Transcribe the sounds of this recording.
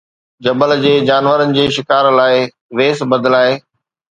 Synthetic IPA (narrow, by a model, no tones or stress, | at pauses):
d͡ʑɐbəld͡ʑeːd͡ʑaːnʋəɾənɪ̆d͡ʑeːʃɪkaːɾlaːɪ | ʋeːsbɐd̪əlaːɦeː